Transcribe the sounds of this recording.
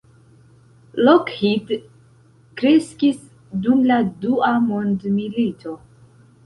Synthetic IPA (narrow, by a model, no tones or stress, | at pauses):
lokhit | kɾe̞skis | dumladuamondmilitʰo̞